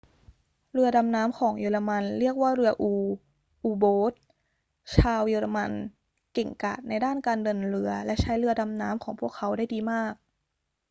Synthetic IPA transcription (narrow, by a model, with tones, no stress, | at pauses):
ɾɯ˧ɐda˧mnaː˦˥mkʰɔː˩˦ŋjeː˧la˧ma˧nɾi˥˩ək̚waː˥˩ɾɯ˧ɐʔuː˧ | ʔuː˧boː˦˥t̪̚ | t͡ɕʰaː˧wjeː˧ɾa˧ma˧n | ke˨˩ŋka̰ː˨˩t̪̚na˧jdaː˥˩nkaː˧ndɤ˧nɾɯ˧ɐlɛ˦˥ʔt͡ɕʰa˦˥jɾɯ˧ɐda˧mnaː˦˥mkʰɔː˩˦ŋpʰu˥˩əkʰːa˦˥wdaː˥˩jdiː˧maː˥˩k̚